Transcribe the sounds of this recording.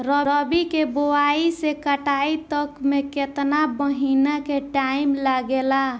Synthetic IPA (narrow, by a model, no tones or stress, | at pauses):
ɾəɾəbikebowaisekəʈait̪əkmeket̪nabəɦinakeʈaimlaɡela